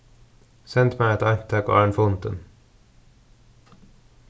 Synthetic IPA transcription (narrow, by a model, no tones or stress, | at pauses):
sɛnt̪mæɪɛt̪ɑɾkt̪ʰæːko̰ːæːɳfʊnt̪ən